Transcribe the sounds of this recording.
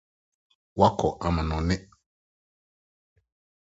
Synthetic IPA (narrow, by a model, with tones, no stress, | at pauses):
wa˦kʰɔ˨ʔa˨mã˨nɔ̃˨nɪ̃˦